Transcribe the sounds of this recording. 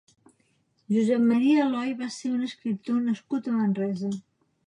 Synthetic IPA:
ʒuzɛmməɾiəlɔjβaseunəskɾip̚t̪onəskut̪əmənrɛzə

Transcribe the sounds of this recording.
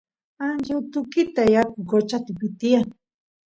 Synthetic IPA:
ant͡ʃawt̪ʊkɪt̪ajakʊkot͡ʃat̪ɪpɪt̪ia

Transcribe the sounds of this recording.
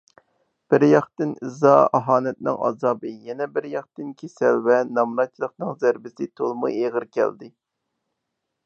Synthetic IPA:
b̥ɪɾjɑχt̪ɨnɨzɑɑɦɑːnɛt̪nɪ̰ŋɑ̰zɑːbɨjɛnɛbɪɾjɑχt̪ɨnkʲʰesɛ̰lvɛnɑmɾɑt͡ʃʰilˠəqnɨŋzæɾbɪsɪt̪ʰolˠmṵeʁəɾkʲɛ̰ld̪ɪ

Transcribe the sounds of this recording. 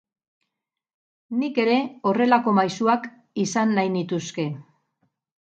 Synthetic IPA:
nike̞ɾe̞o̞re̞lako̞majsuak | isanlajnit̪uske̞

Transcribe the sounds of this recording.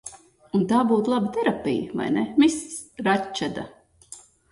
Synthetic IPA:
unt̪aːbuːt̪lˠabət̪ɛɾapʲḭjəva̰jnɛmisɾat͡ʃːad̪a̰

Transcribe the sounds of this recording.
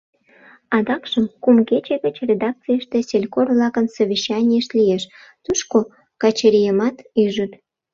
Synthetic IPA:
ɑd̪ɑkʃəmkumket͡ɕeɣə̆t͡ɕrʲed̪ɑk̚t͡sijəʃt̪esʲelʲkorβlɑkənsoβʲiɕːɑnʲijəʃlʲijeʃ | t̪uʃko | kɑt͡ɕeɾʲijəmɑt̪yʒut̪

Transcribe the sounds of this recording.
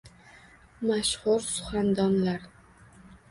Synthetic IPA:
maʃhʊɾsʊ̥χand̪ɒnlaɾ

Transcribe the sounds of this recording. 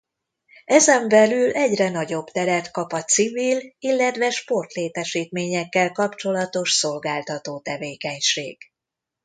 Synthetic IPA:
ɛzɛɱbɛlylʔɛɟrɛnɒɟo̞bt̪ɛɾɛrt̪kɒpɒt̪sivililːɛt̪ʋɛʃpo̞rt̪leːt̪ɛʃiːt̪meːɲɛkːɛlkɒpt͡ʃo̞lɒt̪o̞ʃso̞lɡaːlt̪ɒt̪oːt̪ɛveːkɛɲʃḛːɡ̥

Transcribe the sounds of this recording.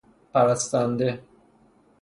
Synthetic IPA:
pæɾæst̪and̪e

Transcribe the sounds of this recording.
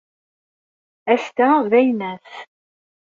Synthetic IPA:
æst̪æðæjnæθ

